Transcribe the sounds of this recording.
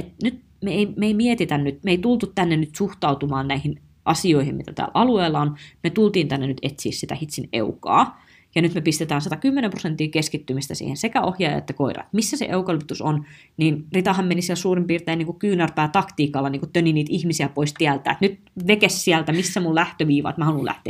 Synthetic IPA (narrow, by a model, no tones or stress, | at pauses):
et̪nyt̪ | meeimeeimiet̪it̪ænnyt̪meit̪ult̪ut̪t̪ænːenyt̪suxt̪ɑut̪umɑːnnæihin | ʔɑsioihimmḭt̪æt̪æ̰ːlʔɑlueːlːɑonmet̪ult̪iːnt̪ænːenyt̪et̪sḭːssit̪æ̰hit̪sinḛukɑ̰ː | jɑnyt̪mepist̪et̪æːnsɑt̪ɑkymːenemprosent̪ːˑiːkeskit̪ːymist̪æsḭːhensekæohjɑːjɑ̰ḛt̪ːækoirɑ̰t̪misːæsḛʔeukɑlypit̪uson | niːnrit̪ɑhɑmmenisiælsuːrimpiːrt̪eːniːŋkukyːnærpæːt̪ɑkt̪iːkɑlːɑniːŋkut̪øniniːt̪ʔihmisiæpoist̪iælt̪æ̰ːet̪nyt̪ | ʋekessiælt̪æmisːæmullæht̪øʋiːʋɑ̰ːt̪mæhɑlulæ̰ht̪ḛæ